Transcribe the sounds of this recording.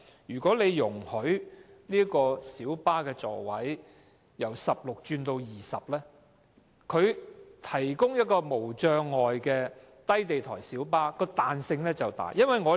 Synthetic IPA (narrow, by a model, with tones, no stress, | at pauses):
jyː˨˩kʷɔː˨˥le˨˧jjʊ˨˩ŋhɵ˨˥ɥliː˥kɔː˧siː˨˥wpaː˥kɛː˧t͡sɔ̰ː˨˩wɐ˨˥j | jɐ˨˩wsɐ˨p̚lʊ˨k̚t͡ʃyː˧nt̪o˧wjiː˨˩sɐ˨p̚lɛː˥ | kʰɵ˨˧ɥt̪ʰɐ˨˩jkʊ˥ŋjɐ˥t̚kɔː˧mo˨˩wt͡ʃœː˧ŋːɔː˨jkɛː˧ | t̪ɐ˥jt̪e˨jt̪ʰɔː˨˩jsiː˨˥wpaː˥kɔː˧t̪aː˨nsɪ˧ŋlɛː˥t͡sɐ˨wt̪a̰ː˨˩jɐ˥nwɐ˨jŋɔː˨˧